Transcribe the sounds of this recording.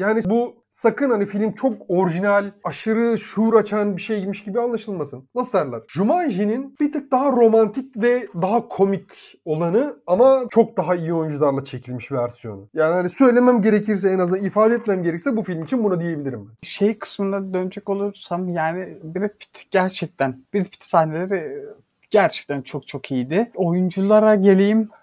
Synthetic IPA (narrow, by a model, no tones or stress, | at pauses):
jaːnibu | sakɯnhanifilʲmt͡ʃʰo̞koɾiʒinælʲaʃɯɾɯʃuɾat͡ʃʰanbiʃe̞jɟimiʃɟibianlˠaʃɯlˠmasɯnvast̪aɾlˠaɾʒumaʒininb̥it̪ʰak̚d̪aɦaɾo̞mant̪ʰic̚vɛd̪aɦakʰo̞mic | o̞lˠanɯamat͡ʃʰo̞k̚d̪aɦaijio̞jund͡ʒulˠaɾlˠat͡ʃʰe̞cʰilʲmiʃvæɾsijo̰nujaːnihanisø̞jlʲe̞mæmɟe̞ɾecʰiɾs̬ɛenaznanifaːd̪ɛɛt̪̚mæmɟeɾɛcisɛbufilʲmit͡ʃʰinbunad̪ije̞bilʲiɾimbænʃe̞jkʰɯ̥smɯnˠad̪ønd͡ʒɛco̞lˠuɾsamjaːnɪbiɾɛt̪̚pʰi̥t̪ʰɟ̥æɾt͡ʃʰɛc̚t̪ʰænb̥iɾt̪pʰi̥t̪sahne̞lʲe̞ɾɪ | ɟ̥æɾt͡ʃʰɛ̥c̚t̪ʰænt͡ʃʰo̞k̚t͡ʃʰo̞kʰijid̪ɪo̞jund͡ʒulˠaɾaɟe̞lʲejim